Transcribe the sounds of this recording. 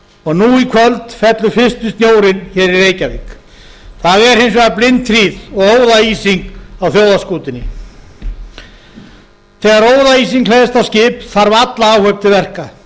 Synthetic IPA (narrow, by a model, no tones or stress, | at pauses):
ɔɣnuikʰvœlt̪fɛt̪lʏfɪst̪ʏst̪njoːwɾɪnçɛːɾiɾeːjcavɪk | θaðɛɾ̥hejnsvɛɣaplɪnt̪ɾiːðɔɣoːwðaiːsiŋkawθjowðaskuːt̪ɪnːɪ | θɛːɣaɾoːwðaiːsiŋklejðɪst̪awscɪːpθaɾvat̪laaːwhœɥp̚t̪ɪvɛr̥ka